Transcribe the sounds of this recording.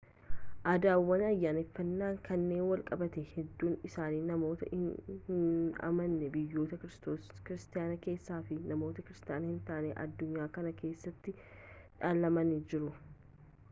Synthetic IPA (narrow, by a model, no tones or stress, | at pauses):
ʔaːd̪aːwːɐnɐjːaːnɛfːɐnːaːŋkʰɐnːe̞ːnwɐlkʼɐbɐt̪ɛhɛd̪ːuːnɪsaːniːnɐmo̞ːt̪ɐ̰ɪn | ɐ̰mɐnːɛbɪjːo̞ːt̪ɐkɾskɪɾɪst̪ɪjaːnɐke̞ːsːaːfɪnɐmo̞ːt̪ɐkɪɾɪst̪ɪjaːnɐhɪnt̪aʔneʔɐ̰d̪ːʊɲːaːkɐnɐkʰe̞ːsːɐt̪ːɪ | ᶑaːlːɐmɐnɪd͡ʒɪɾʊ